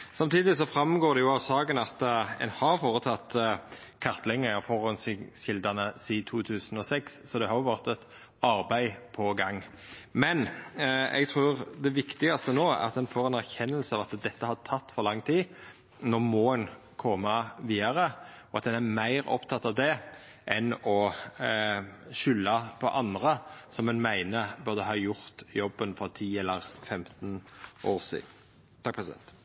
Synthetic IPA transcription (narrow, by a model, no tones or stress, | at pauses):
sɑmt̪ʰiːd̪ɪs̬ɔfɾɑmɡoːd̪ɛjʊɑʋsɑːɡənɑt̪ɛ̰nhɑɾfoːɾət̪ʰɑt̪ː | kʰɑʁt̪lɛŋːəɑfɔɾhɔnsçɪld̪ɑnəsiːt̪ʰuːt̪ʰʉːsnɔsɛkssɔd̪ɛhɑɾjʊʋæʁt̪ɛt̪ | ɑɾbæɪpʰɔɡɑŋː | mɛn | ɛ̰ɡt̪ʰɾuːʁd̪ɛʋɪkt̪ɪɡɑst̪ənoːæ̰ɑt̪ɛnfoːɾɛnæʁçɛnːəlsəɑʋɑt̪d̪ɛt̪ːəhɑt̪ʰɑt̪ːfɔɾlɑŋːt̪ʰiː | nɔɾmoːən | kʰɔmɑʋiːɑɾə | ɔɑt̪d̪ɛnæɾmæɪɾɔ̰pt̪ʰɑt̪ːɑʋd̪ɛ | ʔɛnɔ | ʃʏlːɑpʰɔ̰ʔɑnd̪ʁəsɔmɛnmæɪnəbœʁd̪əɦɑːjʊɾt̪jɔbːənfɔɾt̪ʰiːɛlːəɾfɛmt̪nʔoːʁsḭːd̪n̩ | t̪ʰɑk̚pʰʁɛsɪd̪ɛ̰nt̪